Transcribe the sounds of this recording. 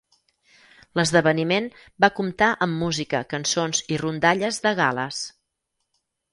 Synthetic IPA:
ləzðəβənimen | bakumt̪aʔəmːuzikə̰kənsonzirund̪aʎəzðəɣalə̰s

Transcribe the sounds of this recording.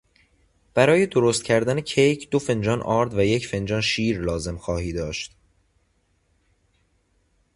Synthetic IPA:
b̥æɾɒːje̞d̪o̞ɾost̪cʰæɾd̪ænecʰejcʰd̪̥o̞fe̞nd͡ʒɒːnʔɒːɾd̪væje̞cʰfe̞nd͡ʒɒːnʃiːɾlɒːze̞mxɒːhiːd̪ɒːʃt̪

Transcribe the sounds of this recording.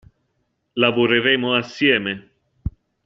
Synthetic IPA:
lavoɾeɾeːmoasːjɛːme

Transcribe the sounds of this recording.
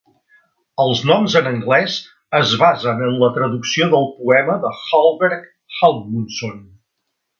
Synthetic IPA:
əlˠznɔmzənəŋɡlɛz | əzβazənənlət̪ɾəðuksioðəlˠpuɛməðəxalˠβɛɾk | xalˠmunson

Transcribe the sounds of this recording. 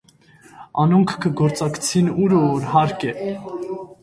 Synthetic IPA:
ɑnuŋkʰkʰəɡɔɾt͡sɑkt͡sʰinuɾəɔɾɦɑɾkɛ

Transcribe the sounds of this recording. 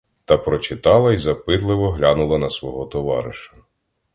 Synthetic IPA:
t̪ɐpɾɔt͡ʃɪt̪ɑlˠɐizɐpɪt̪lˠɪʋɔɦlʲanʊlˠɐnɐsʋɔɦɔt̪ɔʋɑ̰ɾɪʃɐ̥

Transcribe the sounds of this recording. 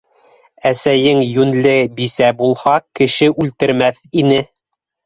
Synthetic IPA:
æsæjɘŋjʉnlɘbisæbulˠhɑkɘ̆ʃɘʔʉlt̪ɘ̆ɾmæθinɘ

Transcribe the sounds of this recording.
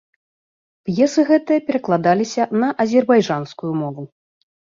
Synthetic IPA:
pjɛsɨɣɛt̪ɨjɐpʲɛɾɐklˠad̪alʲisʲɐnɐʔɐzʲɛrbajʐanskujumɔvu

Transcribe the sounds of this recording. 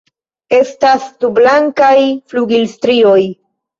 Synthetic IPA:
e̞stastublaŋkajfluɡilstɾio̞j

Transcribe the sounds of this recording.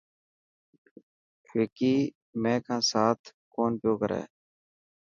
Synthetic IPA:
ʋɪːkiː | mɛ̃ːkʰãːsaːt̪ʰ | koːnpjoːkəɾɛ̰ː

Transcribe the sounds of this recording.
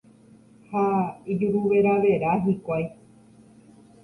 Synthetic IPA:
haid͡ʒuɾuʋe̞ɾaʋe̞ɾaɦikʷaj

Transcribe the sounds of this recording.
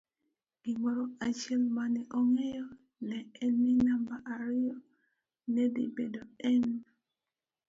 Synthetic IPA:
ɡimɔɾɔat͡ʃɛlmanɛʔɔŋɛjɔ | nɛɛnminambaʔaɾɪjɔ | nɛdḭbedoɛn

